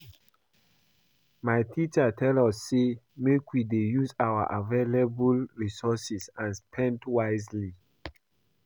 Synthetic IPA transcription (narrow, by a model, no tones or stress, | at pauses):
majtʰit͡ʃatʰɛlɔsːemekwidejuzawa̰ʔavelebulɹisɔsisãnspʰɛ̃ntwaɪzli